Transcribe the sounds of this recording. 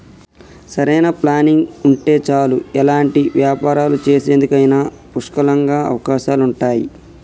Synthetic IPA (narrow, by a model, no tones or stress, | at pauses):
sɐɾɐjnɐplaːniŋɡuɳʈe̞ːt͡ʃaːluɛlaːɳʈiʋjaːpaːɾaːlut͡ʃe̞ːse̞ːnd̪ukɐjnaː | puʂkɐlɐŋɡaːɐ̰ʋɐkaːʃaːluɳʈaːjḭ